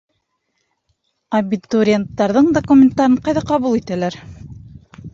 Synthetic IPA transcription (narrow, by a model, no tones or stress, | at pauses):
ɐbʲit̪uɾʲɪent̪ːɑɾðɤɴd̪okumʲent̪ːɑɾɤɴqɑjðɑqɑβulˠit̪ælæɾ